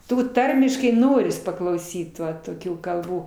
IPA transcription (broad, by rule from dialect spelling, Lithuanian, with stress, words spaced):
ˈtuː ˈtɐrʲmʲɪʃkɐɪ ˈnoːrʲɪs pɐklˠɐʊˈsʲiːt ˈʋɐ toːˈkʲuː kɐlˠˈbuː